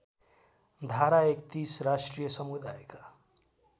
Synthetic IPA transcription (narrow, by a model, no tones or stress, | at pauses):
d̪ʱaɾaekt̪isɾasʈɾijəsəmud̪ajka